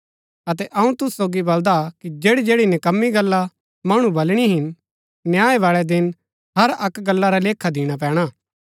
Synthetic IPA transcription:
ɐt̪ɛʔɐũt̪ʊssoːɡibɐld̪akid͡ʒeːɽid͡ʒeːɽinɪkɐmːiɡɐlːa | mɐːɽ̃ũbɐlɽ̃iɦɪn | njaːeʋaːɭɛd̪ɪn | ɦɐɾɐkɡɐlːaɾaleːkʰːad̪ɪːɽ̃ap̬ɛ̃ːɽ̃aː

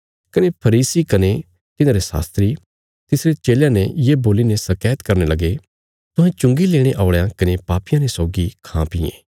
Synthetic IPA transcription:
kɐnepʰɐɾiːsikɐne | t̪ɪnãːɾesa̰ːst̪ɾi | t̪ɪsɾet͡ʃeːljãnɛ̃jeboːlinesɐkɛːt̪kɐɾnelɐɡe | t̪ʊɦãt͡ʃʊ̃ŋɡileːɽ̃eʔaːʊɭejãkɐnepaːpɪjãnesɔːɡikʰãpɪjḛ̃ː

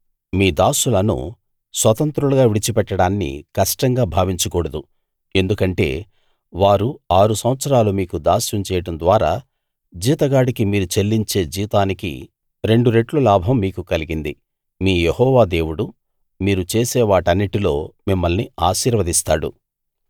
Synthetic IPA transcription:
miːd̪aːsulɐnṵ | sʋɐt̪ɐnt̪ɾuluɡaːʋiɽit͡ʃipɛʈːɐɽaːnːḭkɐʂʈɐŋɡaːbʱaːʋiɲt͡ʃukɔːɽɐd̪u | e̞nd̪ukɐɳʈe̞̰ː | ʋaːɾuaːɾusɐmʋɐt̪sɐɾaːlumiːkud̪aːsɐmt͡ʃɛːjɐʈɐnd̪ʋaːɾaː | d͡ʒiːt̪ɐɡaːɽikimiːɾut͡ʃe̞lːiɲt͡ʃe̞ːd͡ʒiːt̪aːnikḭ | ɾe̞ɳɖuɾe̞ʈlulaːbʱɐmːiːkukɐliɡind̪i | miːjehɔːʋaːd̪e̞ːwuɽu | miːɾut͡ʃe̞ːsɛːʋaːʈɐnːiʈilo̞ːmimːɐlniaːʃiːɾʋɐd̪ist̪aːɽṵ

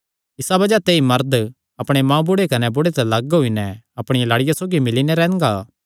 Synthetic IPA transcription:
ɪsabɐd͡ʒat̪eːimɐɾd̪ | ɐpɽ̃emãːbʊɽekɐnɛbʊɽet̪ɛlɐɡɦʊinɛɐpɽ̃ɪjalaːɽɪjasoːɡimɪlinɛɾɛ̃ːɡaː

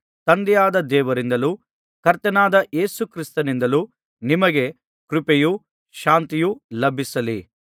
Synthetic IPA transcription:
t̪ɐnd̪ɛjaːd̪ɐd̪ɛːʋɐɾind̪ɐluː | kɐɾt̪ɐnaːd̪ɐʔe̞ːsukɾist̪ɐnind̪ɐlu | nimɐɡe̞ | kɾupeju | ʃaːnt̪ijulɐbʱisɐlḭ

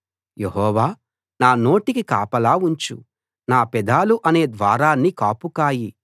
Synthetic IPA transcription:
jeɦɔːʋaː | naːno̞ːʈikikaːpɐlaːuɲt͡ʃṵ | naːpɛd̪aːluʔɐne̞ːd̪ʋaːɾaːnːikaːpukaːji

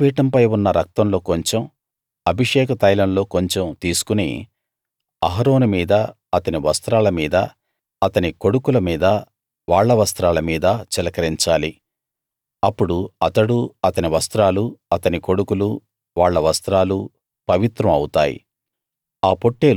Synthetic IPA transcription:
piːʈɐmpɐjunːɐɾɐk̚t̪ɐmlo̞ːkoɲt͡ʃem | ɐbʱiʂɛːkɐt̪ɐjlɐmlo̞ːko̞ɲt͡ʃemt̪iːsu̥kunḭː | ɐɦɐɾo̞ːnumiːd̪ɐ | ɐt̪ɐniʋɐst̪ɾaːlɐmiːd̪ɐ | ɐt̪ɐniko̞ɽukulɐmiːd̪ɐ | ʋaːɭːɐʋɐst̪ɾaːlɐmiːd̪ɐt͡ʃɛlɐkɐɾiɲt͡ʃaːli | ɐpːuɽuɐt̪ɐɽuɐt̪ɐniʋɐst̪ɾaːluɐt̪ɐniko̞ɽukulu | ʋaːɭːɐʋɐst̪ɾaːlu | pɐʋit̪ɾɐmɐwt̪aːjḭ | aːpo̞ʈːeːl

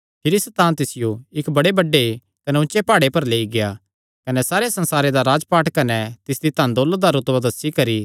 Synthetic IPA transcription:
pʰɪɾisɐt̪ãːnt̪ɪsɪjoɪkbɐɽebɐɖːe | kɐnɛʊ̃t͡ʃepaːɽepɐɾleːiɡɪja | kɐnɛsaːɾesɐ̃nsaːɾed̪aɾaːd͡ʒpaːʈkɐnɛt̪ɪsd̪it̪ãːnd̪oːld̪aɾʊt̪ʋad̪ɐsːikɐɾi

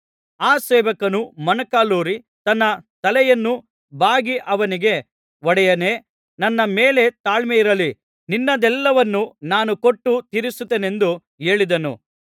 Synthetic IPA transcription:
aːsɛːʋɐkɐnumɐnɐkaːluːɾi | t̪ɐnːɐt̪ɐlɛjɐnːu | baːɡiʔɐʋɐniɡe̞ | ɔɽɛjɐne | nɐnːɐmeːle̞t̪aːɭmɛjiɾɐli | ninːɐd̪ɛlːɐʋɐnːunaːnuko̞ʈːut̪iɾisut̪ːeːne̞nd̪u | e̞ːɭid̪ɐnṵ

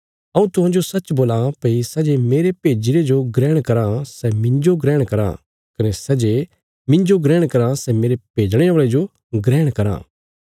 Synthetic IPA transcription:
ɐũt̪ʊɦãːd͡ʒosɐtːt͡ʃboːlãpisɐd͡ʒemeːɾepeːd͡ʒɪɾed͡ʒoɡɾɛːɽ̃kɐɾãsɛmɪ̃nd͡ʒoɡɾɛ̃ːɽ̃kɐɾã̰ | kɐnɛsɛd͡ʒe | mɪ̃ɲd͡ʒoɡɾɛ̃ːɽ̃kɐɾãsɛmeːɾepeːd͡ʒɽ̃eaʋɭed͡ʒo | ɡɾɛːɽ̃kɐɾã̰ː

